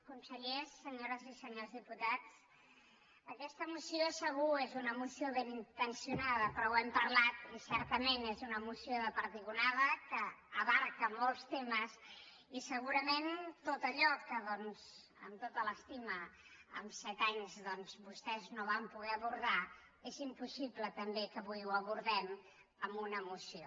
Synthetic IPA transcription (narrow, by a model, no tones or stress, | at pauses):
kunsəʎesːəɲoɾəzisəɲozðiput̪at͡s | əkɛst̪əmusiosəɣuezunəmusioβenint̪ənsiunaðəpɾɔwɛmpəɾlat̪isɛɾt̪əmenezunəmusioðəpəɾðiɣunaðəkəːβaɾkəmɔlˠst̪eməs | isəɣuɾəment̪ot̪əʎɔkəðɔnz | ə̰mt̪ot̪ələst̪imə | ə̰msɛt̪aɲzðɔnzβust̪ɛznoβampuɣɛəβuɾða | ezimpusiβlət̪əmbekəβujuəβuɾðɛm | əmunəːmusio